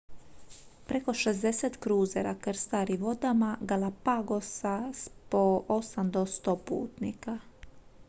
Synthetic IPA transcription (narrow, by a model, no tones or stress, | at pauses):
pɾe̞ko̞ʃezd̪e̞set̪kɾuːzeɾakɾst̪aɾiʋo̞d̪amaɡalapaɡo̞saspoosamd̪ost̪opṵːt̪nika